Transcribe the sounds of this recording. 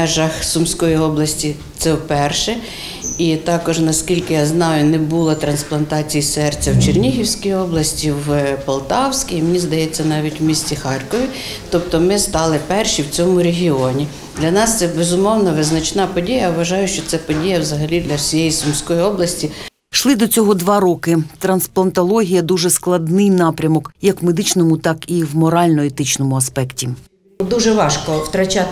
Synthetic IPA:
ɛʒɐxsʊmsʲkɔjiɔblˠɐsʲtʲi | t̪sɛwpɛrʃɛ | it̪ɑkɔʒnɐskʲilʲkɪjaznɑjʊnɛbulˠɐt̪ɾɐnsplˠɐnt̪ɑt͡sʲijisɛrt͡sʲːɐwt͡ʃernʲiɦʲiwsʲkijɔblˠɐsʲtʲiwpɐlˠt̪ɑwsʲkʲiimenʲizd̪ɐjɛt͡sʲːɐnɑʋʲitʲwmʲisʲt͡sʲixɑrkɔʋʲi | t̪ɔp̚t̪ɔmɪst̪ɑlˠɪpɛrʃiwt͡sʲɔmʊɾʲeɦʲiɔnʲi | d̪lʲɐnɑst̪sɛbezʊmɔwnɐʋɪznɐt͡ʃnɑpɔdʲijɐʋʋɐʒɑjʊʃt͡ʃɔt̪sɛpɔdʲijɐwzɐɦɐlʲid̪lʲɐsʲijɛjisʊmsʲkɔjiɔblˠɐsʲtʲi | ʃlˠɪd̪ɔt͡sʲɔɦɔd̪ʋɑɾɔkɪt̪ɾɐnsplˠɐnt̪ɔlˠɔɦʲijɐd̪uʒɛsklˠɐd̪nɪjnɑpɾʲɐmɔkjɐkwmed̪ɪt͡ʃnɔmʊt̪ɑkiwmɔɾɑlʲnɔet̪ɪt͡ʃnɔmʊɐspɛktʲi | d̪uʒɛʋɑʃkɔwt̪ɾɐt͡ʃa

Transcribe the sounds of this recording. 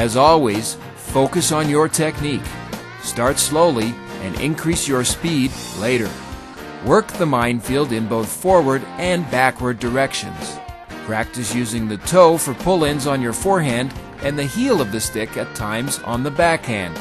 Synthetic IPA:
ɨzɔlˠwiz̥ | foʊkɨsn̩jə˞tʰɛk̚nik | stɑɹtsloʊlˠi | ɨ̰̃nɪ̰̃nkʰɹ̥isjə˞spidleɪɾə̰˞ | wɜ˞k̚ðəmãɪ̃nfilˠdɨ̃nboʊθfɔɹwə˞ɾɨ̃nbækwə˞də˞ɛkʃɨ̰̃nz̥ | pʰɹ̥æk̚tɨsjʉzɪ̃ŋðɨtʰoʊfə˞pʰʊlˠɪ̃nzn̩jə˞fɔɹɦæ̃nd | ʔɨ̃nðɨhilˠʌvðɨstɪkɨtʰãɪ̃mz̃n̩ðəbækhæ̰̃nd̥

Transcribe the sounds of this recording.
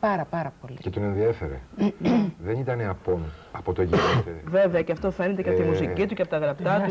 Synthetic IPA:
pɐɾɐpɐɾɐpolicet̪one̞nðiefe̞ɾḛ | ðe̞nit̪ɐneɐpo̞nɐpo̞t̪oeʝive̞veɐceɐft̪o̞fe̞net̪eceɐpoimusicit̪uceɐpot̪ɐɣɾɐpt̪ɐt̪u

